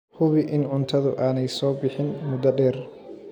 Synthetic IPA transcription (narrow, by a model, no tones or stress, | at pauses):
hʊβɪʔɪnʊnt̪ʰɐðʊʔaːnɛjsɔːbɪħɪnmʊd̪ɐɖɛːr